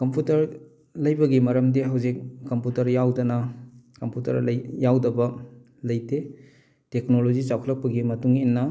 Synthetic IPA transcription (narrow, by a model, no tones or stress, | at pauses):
kɐmputɐɾ | lɐjbɐɡimɐɾɐmdiɦɐwzik̚ːɐmputɐɾjawdɐnɐkɐmputɐ̰ɾlɐjawdɐbɐ | lɐjte | tek̚nolod͡ʒit͡ʃawkʰɐlɐk̚pɐɡimɐtuŋinːɐ